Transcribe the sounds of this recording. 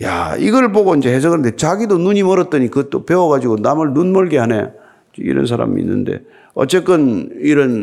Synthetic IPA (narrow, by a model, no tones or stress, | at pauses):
ja̰iɡʌɯɭboɡoind͡ʑe̞hes̬ʰʌɡɯnɯnd̪e̞t͡ɕaɡidonuɲimʌɾʌt͈̚ʌɲikɯt͈ope̞wʌɡad͡ʑiɡonamɯɭnunmʌɭɡeɦane | eḭɾʌ̰ns̬ʰaɾa̰mḭḭnːɯ̰nde̞̰ | ʌt͡ɕ͈e̞k͈ɯniɾʌn